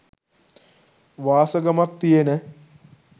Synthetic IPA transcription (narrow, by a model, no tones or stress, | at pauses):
ʋaːsəɡɐmak̚t̪ijenə